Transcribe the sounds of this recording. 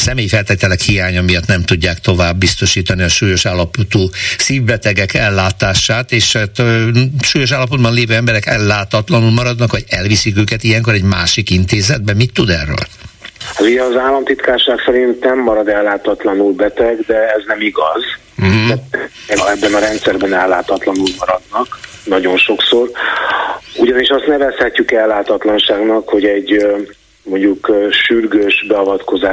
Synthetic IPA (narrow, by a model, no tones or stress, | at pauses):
sɛmeːjifɛlt̪eːt̪ɛlɛkhijaːɲɒmijɒt̪nɛmt̪uɟːaːkt̪o̞vaːbːist̪o̞ʃiːt̪ɒniɒʃuːjo̞ʃaːlːɒpot̪uːsiːvbɛt̪ɛɡɛkɛlːaːt̪aːʃaːt̪eːʃt̪ʃuːjo̞ʃ̬aːlːɒpod̪̚bɒnleːvøːɛmbɛɾɛkɛ̰lːaːt̪ɒt̪lɒnulmɒɾɒd̪nɒkʋɒɟɛlvisikøːkɛt̪ijɛŋkoɾɛɟmaːʃikint̪eːzɛd̪̚bɛmit̪ːud̪ɛ̰rːø̰ːl | hat̪uɟɛːzaːlːɒmt̪it̪kaːʃaːksɛɾint̪nɛmːɒɾɒd̪ɛlːaːt̪ɒt̪lɒnulbɛt̪ɛɡd̪ɛɛznɛmiɡɒz̩ | ɦ̩ | ɛɛbːɛnɒɾɛnt̪sɛrbɛnɛlːaːt̪ɒt̪lɒnulmɒɾɒd̪nɒknɒɟo̞nʃo̞kso̞r | uɟɒniʃɒst̪nɛvɛshɛcːykɛlːaːt̪ɒt̪lɒnʃaːɡnɒkho̞ɟɛɟ | mo̞ɲɟukːʃyrɡøːʃbɛɒvɒt̪ko̞zaː